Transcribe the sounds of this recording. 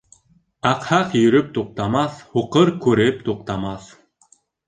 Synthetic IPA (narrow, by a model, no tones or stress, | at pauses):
ɑqhɑqjɵ̆ɾɵp̚t̪uq̚t̪ɑmɑθhuqɤɾkʉɾɘp̚t̪uq̚t̪ɑmɑθ